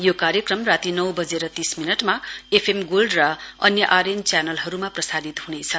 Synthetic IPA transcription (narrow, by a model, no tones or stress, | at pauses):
jokarjʌkrʌmrat̪inʌwbʌd͡zeɾʌt̪isminʌʈmaepʰemɡolɖrʌʌnjʌʔaɾent͡sjanʌlɦʌɾumaprʌsad̪it̪hunet͡sʰʌ